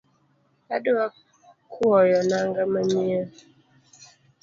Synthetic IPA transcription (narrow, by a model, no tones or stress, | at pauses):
adua | kʰuɔjɔnaŋɡaməɲiə